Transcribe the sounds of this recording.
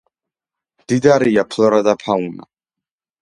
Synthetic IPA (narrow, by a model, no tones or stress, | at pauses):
d̥idaɾiːapʰlˠɔɾaðapʰawna̰